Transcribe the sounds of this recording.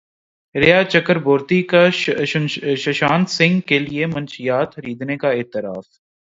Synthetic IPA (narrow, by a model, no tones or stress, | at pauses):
ɾejaːt͡ʃɐkəɾboːɾt̪ika | ʃɐʃãːnsɪ̃ŋɡkeliemɐ̃nʃijaːt̪ɦɾiːd̪nekaɪːt̪ɪɾaːf